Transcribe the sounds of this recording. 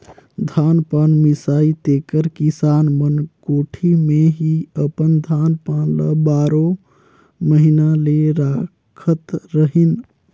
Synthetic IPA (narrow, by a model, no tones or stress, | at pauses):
d̪ʱanpanmisait̪ekəɾkisanmənkoʈʰimeɦiəpənd̪ʱanpanləbaɾo | məɦinaleɾa | kʰət̪ɾəɦin